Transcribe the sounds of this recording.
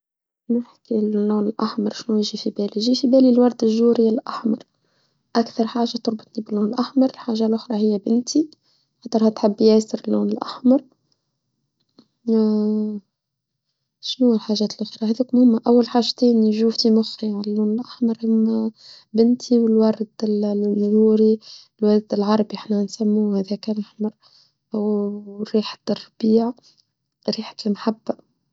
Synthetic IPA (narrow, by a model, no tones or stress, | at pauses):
nɪħkiːuːnɪlʔaħmɑɾˤʃnujɪʒifibæːliʒiːfibæːlilwɑɾˤd̪ɪʒuːɾɪalʔaħmɑɾˤ | ʔakθɑɾˤħaːʒat̪ʊɾˤbɑt̪nibɪlːuːnɪlʔaħmɑɾˤɪlħaːʒalʔʊxɾˤɑhɪjːæbɪnt̪ʰi | xɑt̪ːˤəɾˤhæt̪ħɪbːjɛːsɪɾɪlːuːnɪlʔa̰ħmɑɾˤ | ʃnuːlħaːʒæːt̪əlʔxiːɾahæðuːkmhɪmːæʔæwːalħaːʒt̪eːnʒuːft̪imʊxɾiʕallːuːnɪlʔaħmɑɾˤʔamːæ | bɪnt̪ʰiwɪlwɑɾˤd̪lːuːɾi | lwɑɾˤd̪ɪlʕɑɾˤbiʔaħnænsæmːuːhæːðækælʔaħmɑɾˤ | ʔawɾiːħt̪rˤːɑb̥iːʕ | ɾiːħt̪ɪnħabːa